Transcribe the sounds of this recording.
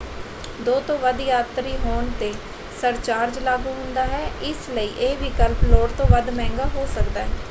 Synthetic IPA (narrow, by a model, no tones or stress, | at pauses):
d̪oːt̪õːʋəd̪jaːt̪ɾiːɦoːɳt̪eː | səɾt͡ʃaːɾd͡ʒlaːɡuːɦʊ̃nd̪aːɦɛːɪsləiːʔeːʋikəlploːɽt̪õːʋəd̪mɛ̃ːŋɡaːɦoːsəkd̪aːɦɛː